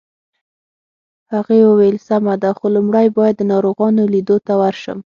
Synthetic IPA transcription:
haɣewəwajlsamad̪axolumɽajbɑjad̪ːənɑɾoɣɑnolid̪ot̪awaɾʃə̰m

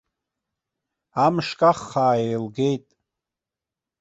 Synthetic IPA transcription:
amʂkʼaχːaːejlɡejtʼ

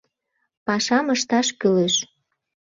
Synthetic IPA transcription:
pɑʃɑməʃt̪ɑʃkyleʃ

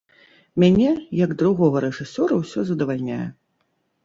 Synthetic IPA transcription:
mʲanʲɛjɐɡd̪ɾuɣɔɣɐɾɛʐɨsʲɔɾɐwsʲɔzɐd̪ɐvalʲnʲajɛ̰

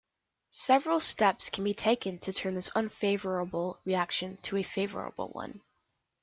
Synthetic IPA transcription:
sɛvɹl̩ˠstɛpskʰn̩bitʰeɪkɨ̃ntʰɨtʰɜ̃˞nðɪsə̃nfeɪvə˞əbl̩ˠɹiækʃɨ̃ntʰɨɨfeɪvə̰˞ə̰bl̩ˠwʌ̰̃n

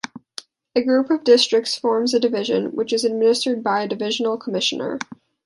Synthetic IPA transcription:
ɨɡɹʉpʌvdɪstɹ̥ɨk̚tsfɔɹmzɨdɨvɪʒɨ̰̃nwɨt͡ʃɨzɨd̚mɪ̃nɨstə˞d̚baɪɨdɨvɪʒn̩l̩ˠkʰəmɪʃɨ̃nə̰˞

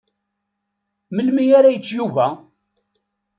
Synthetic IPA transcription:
məlmijaɾajət͡sːjuvæ

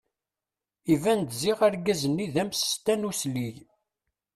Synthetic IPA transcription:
ivænd̪ziʁæɾɡæzənːiðæmsə̥st̪ænuslij

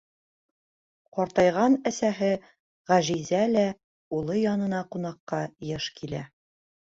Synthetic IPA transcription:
qɒɾt̪ɑjʁɑnæsæɦɘ | ʁæʒizælæ | ulˠɤjɒnɤ̆nɑqun̪ɑqːɑjɤʃkʰilæ

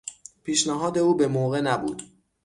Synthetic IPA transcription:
pʰiːʃnæɦɒːd̪e̞uːbe̞moːɣe̞næbṵːd̪̥

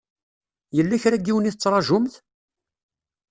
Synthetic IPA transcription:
jəlːæçɾæɡːiwəniθət͡sːɾˤɑʒʊmθ

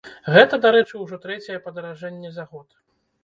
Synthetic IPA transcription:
ɣɛt̪ɐd̪aɾɛt͡ʂɨwʐɔt̪ɾɛt͡sʲɛjɛpɐd̪ɐɾaʐɛnʲːɛzaɣɔt̪

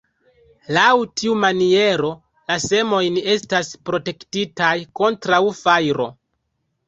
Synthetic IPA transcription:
lawtʰiumanie̞ɾo̞ | lase̞mo̞jne̞staspɾo̞te̞ktitajko̞ntɾawfajɾo̞

